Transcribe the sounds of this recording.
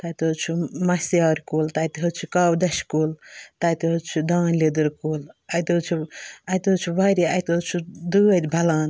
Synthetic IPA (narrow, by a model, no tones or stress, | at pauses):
t̪aːt̪ot͡ʃʰumɐsjaːɾʲkuːlt̪aːt̪iɦot͡ʃʰukawd̪ɐʃkuːlt̪ɐːt̪iɦot͡ʃʰud̪aːnled̪ɨɾkuːlɐjt̪ot͡ʃʰuɐjt̪ɦot͡ʃʰuʋaɾiɐjt̪ot͡ʃʰud̪uːɐt̪ʲbʱɐlaːn